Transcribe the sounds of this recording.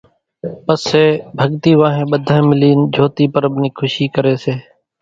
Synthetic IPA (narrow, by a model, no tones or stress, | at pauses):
pəseːbʱəɠt̪iːʋãːɦẽːɓəd̪ʱãːẽːmɪliːnd͡ʒʱoːt̪iːpəɾəbʱniːkʰʊʃiːkəɾeːseː